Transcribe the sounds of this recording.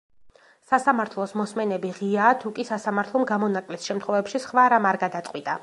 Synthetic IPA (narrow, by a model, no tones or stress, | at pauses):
sasamaɾt̪ʰlˠɔsmɔsmɛnɛbiʁiaːt̪ʰukʼisasamaɾt̪ʰlˠɔmɡamɔnakʼlɛsʃɛmt̪ʰχwɔvɛpʃisχvaɾamaɾɡad̪at̪sʼwit̪ʼa